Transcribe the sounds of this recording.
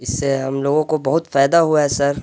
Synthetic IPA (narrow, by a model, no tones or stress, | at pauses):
ɪsːeɦɐmloːɡõkobɐɦʊt̪faːjd̪aɦuaɦɛsɐɾ